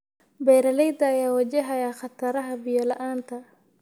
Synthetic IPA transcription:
bɛːɾɐlɛjd̪ɐːjaːwɐd͡ʒɛɦɐjaːχɑt̪ʰɐɾɐɦɐbɪjɐlɐʔaːnt̪ʰɐ

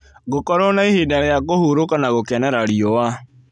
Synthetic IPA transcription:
ɣokɔɾɔnaihedaɾejakohuɾokanaɣokɛnɛɾaɾiɔwa

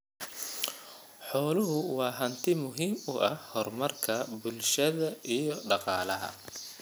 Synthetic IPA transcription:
ħɔːlʊɦʊwɑːɦɐnt̪ʰɪmʊɦiːmʊʔɐhhɔrmɐrkʰɐbʊlʃɐðɐʔijɞɖɑqɑːlɐɦɐ̰

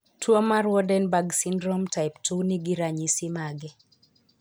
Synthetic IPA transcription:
twɔmaɾwɔdɛnbaɡsindɾɔmtaɪptʰuniɡiɾaɲisimaɡɛ

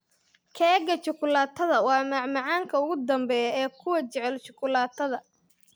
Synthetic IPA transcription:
kʰɛɡɐt͡ʃʊkʰʊlaːt̪ʰɐðɐwɑːmɑʕmɑʕɑːŋkʰɐʊɣʊd̪ɐmbɛːjɛːkʰʊwɐt͡ʃɛʕɛlt͡ʃʊ̥kʰʊlaːt̪ʰɐðɐ

